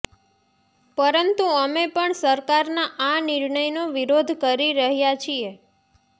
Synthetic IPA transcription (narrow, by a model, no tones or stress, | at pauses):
pəɾənt̪uəmepəɳsəɾkaɾnaʔanɪɾɳəjnoʋiɾod̪ʱkəɾiɾəɦjat͡ʃʰie